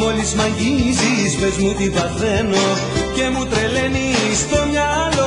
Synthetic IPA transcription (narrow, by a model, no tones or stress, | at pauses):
o̞lizmɐɲɟizispezmut̪ivɐθe̞no̞ | ce̞mut̪ɾele̞nist̪o̞mɲɐɐlo